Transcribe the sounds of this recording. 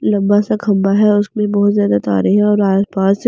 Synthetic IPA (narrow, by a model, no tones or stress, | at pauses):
lɐ̃mbasaɡʰʱɐ̃mbaɦɛʊsmẽbɔːt̪zjaːd̪at̪a̰ːɾɪɦɦɛ̃ɔːɾaːspaːz